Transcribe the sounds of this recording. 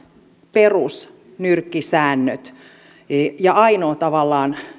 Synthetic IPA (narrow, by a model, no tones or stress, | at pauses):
perus | nyrkːisæːnːøt̪ | jɑɑinoːt̪ɑʋɑlːɑːn